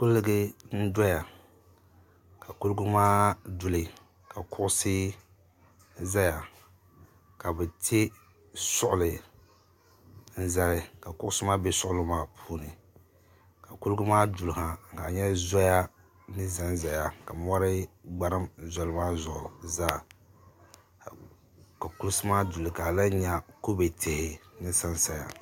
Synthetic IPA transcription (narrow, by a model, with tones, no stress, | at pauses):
kʊ˦lːɨ˦ɡɨ˦n̩˦dɔ˦ja˨ | ka˨ku˦lɡʊ˦maː˦du˨lɨ˨ | ka˨kʊ˦ʔʊ˦sɪ˦ | za˦ja˨ | ka˨bɛ˨tʰe˦ | sʊ˦ʔʊ˨lɨ˨ | n̩˦za˨ɾɪ˨ka˨kʊ˦ʔʊ˦sɨ˦maː˦be˦sʊ˦ʔʊ˦lʊ˦maː˦pʰuː˦nɨ˨ | ka˨ku˦lɡɨ˦maː˦du˨la˨ka˨ɲɛ˦zɔ˦ja˦ | nɨ˦za˦n˦˨za˨ja˨ka˨mɔ˦ɾɪ˦ɡ͡ba˦ɾɨ˦mza˦lɨ˦maː˦zʊ˨ʔʊ˨za˦˨ | ka˨ku˦lsɨ˦maː˦du˨lɨ˨ka˨la˦ɲa˦ko˦be˨tʰe˨hɪ˨nɨ˦sa˦nsa˨ja̰˨